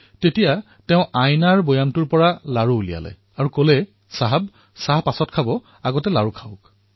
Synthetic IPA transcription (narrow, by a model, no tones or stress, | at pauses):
tetija | tɛ̃ʊ̃ʔajnaɹbojamtʊɹpɔɹalaɹuːlija̰lɛ̰ | aɹukolɛ | saɦab | saɦpasɔtkʰabɔ | aɡɔtɛlaɹukʰaʊk